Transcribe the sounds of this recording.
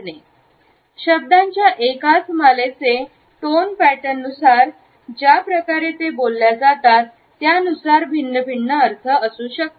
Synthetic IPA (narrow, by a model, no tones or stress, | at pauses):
ne | ɕəb̚d̪ãɲt͡ɕjaʔekat͡smalet͡se | ʈonpæʈənːusaɾ | d͡ʑjapɾəkaɾet̪ebolːjad͡zat̪at̪ːjaənusaɾbʱinːəbʱiɳːəəɾt̪ʰəəsuːɕək̚t̪